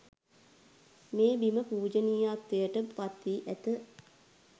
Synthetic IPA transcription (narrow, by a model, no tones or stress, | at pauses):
meːbiməpuːd͡ʒəniːaːt̪ʋejəʈəʋat̪ːiːʔæt̪ə